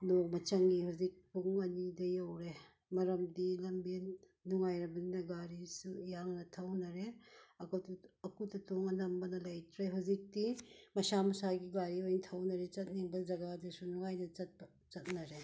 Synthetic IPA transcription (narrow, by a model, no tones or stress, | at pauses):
nok̚mɐt͡ʃɐŋihuzik̚puŋɐnidɐjɐwɾe | mɐɾɐmdilɐmben | nuŋajɾɐbɐninɐɡaɾisujaŋnɐtʰɐwnɐɾeɐkatɐkutɐtoŋɐnɐmbɐnɐlɐjtʰɾeɦuzik̚timɐsamɐsaɡiɡaɾiojnitʰɐwnɐɾet͡ʃɐt̚niŋbɐd͡ʒɐɡadesunuŋajnɐt͡ʃɐt̚bɐ | t͡ʃɐt̚nɐɾe